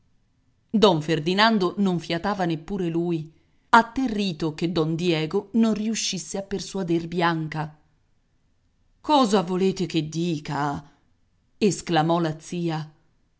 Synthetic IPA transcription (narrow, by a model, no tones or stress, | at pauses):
d̪ɔɱferd̪inand̪onoɱfjat̪aːvanepːuːɾeluːj | at̪ːerːiːt̪oked̪ːɔnd̪jɛːɡononriuʃːisːeapːersuad̪erbjaŋka | kɔːzavoleːt̪eked̪ːiːka | esklamɔlat̪siːa